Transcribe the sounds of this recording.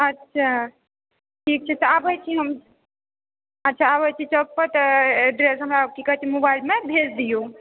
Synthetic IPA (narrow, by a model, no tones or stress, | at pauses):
ətːʃʰa | ʈʰik̚t͡ʃʰɛt̪əabəjt͡ʃʰiɦəm | ətːt͡ʃʰaːbəjt͡ʃʰit͡ʃək̚pəɾt̪ɖɾesɦəmɾakikəɦt͡ʃʰimobailmebʱesd̪ijo